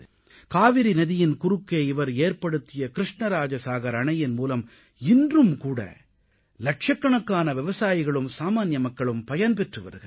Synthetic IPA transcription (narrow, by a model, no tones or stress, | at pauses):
kaːʋɪɾinɐðɪjɪnkʊɾɯkːeːɪʋɐɾeːɾpɐɽɯt̪ːɪjɐkɪɾɪʂɳɐɾaːd͡ʒɐsaːɣɐɾɐɳɐjɪnmuːlɐm | ɪndrɯmkuːɽɐ̰ | lɐʈʂɐkːɐɳɐkːaːnɐʋɪʋɐsaːjɪɣɐɭɯmsaːmaːnjɐmɐkːɐɭɯmpɐjɐnp̬ɛʈrɯʋɐ̰ɾɣɐ̰